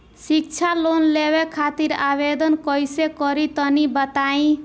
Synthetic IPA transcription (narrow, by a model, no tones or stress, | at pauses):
sik̚t͡ʃʰalonlebekʰat̪iɾabed̪ʌnkɔjsekɔɾit̪ʌnibʌt̪aĩ